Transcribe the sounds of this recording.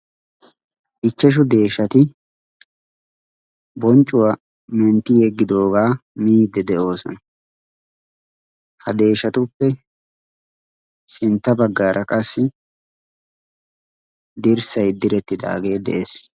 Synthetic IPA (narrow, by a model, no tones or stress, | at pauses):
ʔɪt͡ʃːɛʃ̬ʊd̪e̞ːʃɐt̪ɪ | bɔnt͡ʃʼʊwa | mɛnt̪ːɪjɛɡːɪd̪o̞ːɡaːmiːd̪ɛd̪ɛʔo̞ːsɔ̰nɐ | hɐd̪e̞ːʃɐt̪ʊpːɛ | sɪnt̪ːɐbɐɡːaːɾʔɐkʼɐsːɪ | d̪ɪɾsɐjd̪ɪɾɛt̪ːɪd̪a̰ːɡe̞ːd̪ɛ̰ʔeːs